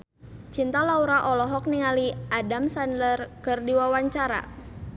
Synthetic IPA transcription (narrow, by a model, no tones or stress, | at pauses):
t͡ʃint̪alauɾaʔɔlɔɦɔk̚niŋaliʔadamsanlərkɨrdiwawaɲt͡ʃaɾa̰